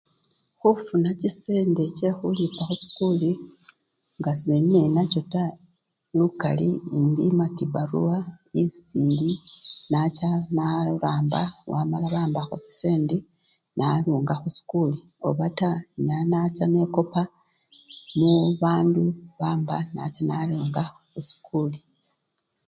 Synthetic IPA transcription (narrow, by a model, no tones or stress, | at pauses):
xufunacise̞ːndece̞xulipaxusi̥kuli | ŋɡasiennenacota | luka̰liindḭmakiβaɾuwaisiːndinat͡ʃanaɾaːmbawʔamalaβaːmbaxoci̥seːnde | nʔaɾuːŋɡaxusi̥kuːli | o̞̰βataɲanat͡ʃane̞ko̞pa | muβaːnduβaːmbana̰t͡ʃanaɾuːŋɡa | xusi̥kʰuːli